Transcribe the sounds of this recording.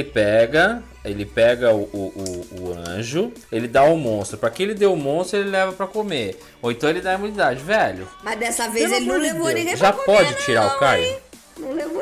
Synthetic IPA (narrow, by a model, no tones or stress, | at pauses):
lɪpɛɡɐ | elɪpɛɡɐʊʔʊʔʊːɐ̃ʒʊelɪd̪aʊmõst̪ɾʊpɾɐkẽelɪd̪eʊmõst̪ɾʊelɪlɛvɐpɾɐkome | oẽt̪ɐ̃w̃elɪd̪aimũnid̪ad͡ʒɪvɛʎʊmɐzd̪ɛsɐvezlɪnɐ̃w̃levnẽʒapɔd͡ʒɪt͡ʃiɾaʊkaɾɪ | nɐ̃w̃levo